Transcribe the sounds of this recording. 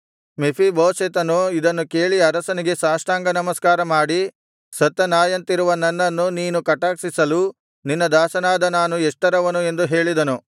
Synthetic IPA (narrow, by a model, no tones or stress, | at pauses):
mepʰibɐːset̪ɐnuid̪ɐnːuke̞ːɭiɐɾɐsɐniɡe̞saːʂʈaːŋɡɐnɐmɐskaːɾɐmaːɽi | sɐt̪ːɐnaːjɐnt̪iɾuʋɐnɐnːɐnːuniːnukɐʈaːksisɐlu | ninːɐd̪aːsɐnaːd̪ɐnaːnuɛʂʈɐɾɐʋɐnue̞nd̪uɦe̞ːɭid̪ɐnu